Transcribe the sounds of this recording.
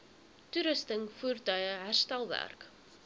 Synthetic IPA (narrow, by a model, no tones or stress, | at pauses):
tuɾəstəŋfuːrtœjəɦærstælˠvæ̰rk